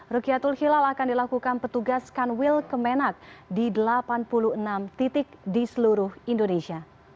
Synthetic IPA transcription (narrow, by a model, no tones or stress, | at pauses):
rukiat̪ulhilalakandilakukanpət̪uɡaskanwilkəmenak̚didəlapanpuluhənamt̪it̪ɪk̚disəluɾʊhindonesia